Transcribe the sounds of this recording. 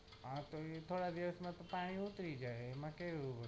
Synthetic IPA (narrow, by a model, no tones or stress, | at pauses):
ãt̪oet̪ʰoɽad̪iʋəsmãt̪opaɽ̃iut̪ɾid͡ʒajemãkeʋũbə